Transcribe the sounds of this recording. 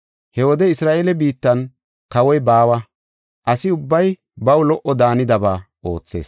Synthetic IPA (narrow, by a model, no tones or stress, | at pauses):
hɛwɔd̪ɛɪsɾaːʔelɛbiːt̪ːɐn | kɐwɔjbaːwɐ | ʔɐsɪʊbːɐj | bɐwlɔʔɔd̪aːnɪd̪ɐbaː | ʔo̞ːt͡sːe̞̰ːs